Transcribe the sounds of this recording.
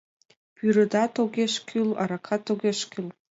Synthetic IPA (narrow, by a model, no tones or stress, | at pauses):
pyɾə̆d̪ɑt̪oɣeʃkʲʰylɑ̰ɾɑkʰɑt̪oɣeʃkyl